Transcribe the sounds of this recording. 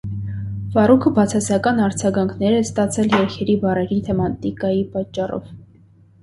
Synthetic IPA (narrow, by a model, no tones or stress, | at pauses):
vɑrukʰəbɑt͡sʰɑsɑkɑnɑɾd͡zɑɡɑŋkʰnɛɾɛst̪ɑt͡sʰɛljɛɾkʰɛɾibɑrɛɾit̪ʰɛmɑt̪ikɑjipɑt͡ʃːɑrɔ̰v